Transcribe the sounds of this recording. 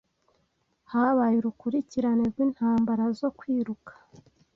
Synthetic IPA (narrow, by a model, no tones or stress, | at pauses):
haβajiɾukuɾiciɾane̞ɾɡwiːn̥haːmbaɾazo̞kwiːɾukʰḁ